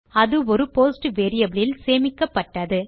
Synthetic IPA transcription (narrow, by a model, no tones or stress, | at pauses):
ɐðɯɔɾɯpoːsʈɯʋeːɾɪjɐbɪɭɪlseːmɪkːɐpːɐʈːɐðɯ